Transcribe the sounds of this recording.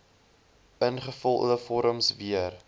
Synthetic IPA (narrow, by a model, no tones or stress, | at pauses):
ənχəfɔlˠʔə̰əfɔɾəmsviər